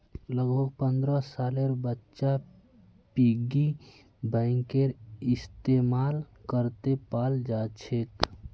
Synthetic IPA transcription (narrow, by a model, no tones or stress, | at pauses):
ləɡbʱəɡ̚pə̃nd̪ɾəsaːleɾbətːʃa | piɡi | bə̃ɪŋkeɾɪst̪eːmaːlkəɾt̪epaːld͡ʒaːt͡ʃʰek